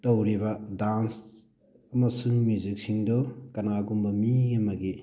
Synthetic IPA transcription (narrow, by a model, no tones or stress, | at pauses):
tɐwɾiβɐdans | ɐmɐsuŋmuzik̚siŋdɔkɐnaɡumbɐmiɐmɐɡi